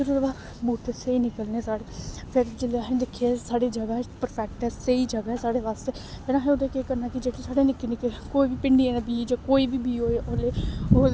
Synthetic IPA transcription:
zəɾuːɾbaːɾ | buːʈ̪eseiːnɪkəlneːsaːɽeːpʰɪɾd͡ʒɪleaɦẽd̪ɪkʰːieːsaːɽeːd͡ʒəɡaːpəɾpʰɛːk̚ʈɦɛːseiːd͡ʒəɡaːɦɛːsaːɽeːʋaːst̪eːpenaːɦẽod̪ekeːkəɾnaːkɪd͡ʒeːʈesaːɽeːnɪkːeːnɪkːekoːibiːpɪɳɖiːɛːnãbiːd͡ʒaːkoːiːbiːbiːɦoːeʔleːoː

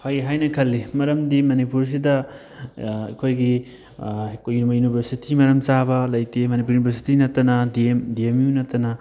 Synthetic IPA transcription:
hajɦajnɐkʰɐlːimɐɾɐmdimɐnipuɾs̬idɐ | ɐ̰kʰojɡi | kjunmɐjunibʱɐɾsitimɐɾɐmt͡ʃabɐlɐjtemɐnip̬uɾjunibʱɐɾsi̥tinɐtːɐnɐdimdiemjunɐtːɐnɐ

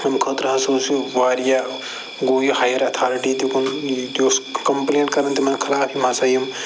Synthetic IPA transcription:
nɐmkʰɐt̪ɾɐɦãsosiʋaːɾja | ɡoːjohaːjɐɾɐt̪ʰaːɾiʈit̪ikund̪oːskɐmpleːɳʈkɐɾɐnt̪imɐnkʰɐlaːfimaːsaːjɐm

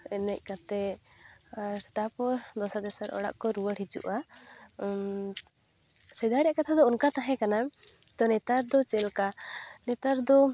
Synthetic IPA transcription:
ɛnɛc̚ˀkat̪ɛ | ɾt̪apɔɾd̪ɔsad̪ɛsaɾʔɔ̰ɽa̰ʔkɔɾuwəɽhid͡ʒṵʔa | sɛd̪aɾɛjaʔkat̪ʰad̪ɔɔnkat̪aɦɛ̃kana | t̪ɔnɛt̪aɾd̪ɔt͡ʃɛlkanɛt̪aɾd̪ɔ

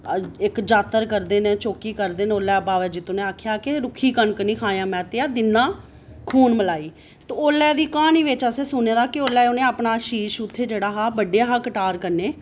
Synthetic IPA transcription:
ɪkd͡ʒaːt̪ːəɾkəɾd̪eːnẽːt͡ʃoːkiːkəɾd̪eːnoːlːɛːbaːʋɛːd͡ʒit̪ʊnẽːaːkʰjaːkɪɾʊkʰiːkənkənĩːkʰãːjãːmɛ̃ːt̪eːaːd̪ɪnːãː | kʰuːnməlaːiː | t̪eoːlːɛːd̪iːkãːniːʋɪt͡ʃəseːsʊnẽːd̪aːkɪoːlːɛːonẽːaːpɳaːʃiːʃʊt̪ʰːeːd͡ʒeːɽaːɦaːbəɖeːaːɦaːkəʈaːɾkəɾneː

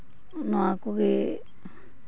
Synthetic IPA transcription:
nũãkuki

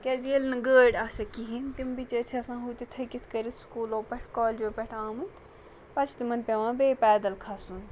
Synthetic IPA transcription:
kʲezelnɐɡəːɖʲasɐkiɦint̪imbit͡ʃət͡ʃʰɐsãːɦut̪it̪ʰɐkit̪ʰkɐɾit̪ʰskuːloːpʲɐʈʰkɔːlʲd͡ʒoːpʲɐʈʰaːmɨt̪ | pɐt͡ʃʰt̪imɐnpʲeʋãːbeːpɛːd̪ɐlkʰɐsun

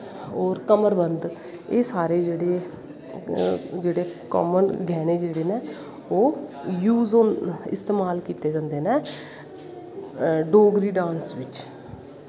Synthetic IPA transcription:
ɔːɾkəməɾbənd̪ | eːsaːɾeːd͡ʒeːɽeː | d͡ʒeːɽeːkɔ̰ːmənɡʱɛːneːd͡ʒeːɽeːneː | oːjuːzoɪ̰st̪eːmaːlkiːt̪eːd͡ʒãːnd̪eːneː | ɖoːɡɾiːɖãːnsʋɪt͡ʃ

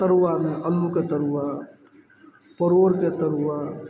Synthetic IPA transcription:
t̪əɾuʋameʔəlːuket̪əɾuʋa | pəɾoɾket̪əɾuʋa

